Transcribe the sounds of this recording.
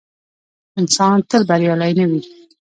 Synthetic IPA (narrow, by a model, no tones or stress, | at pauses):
ɪnsɑnt̪əlbaɾjolajnəwi